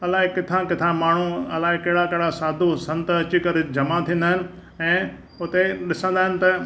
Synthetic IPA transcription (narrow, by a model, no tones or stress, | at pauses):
ɐlaːɦɪkɪt̪ʰãkɪt̪ʰãmaːɳ̤uɐ̰laːɦɪkɐɦɪɽakɐɦɪɽasaːd̪ʱosɐ̃nt̪ɐt͡ɕɪkɐɾed͡ʑɐmat̪ʰĩːn̆d̪aːɦɪnɪ̆ | ɛ̃ː | ʊt̪eɗɪsə̃nd̪aːɦɪnɪ̆t̪ɐ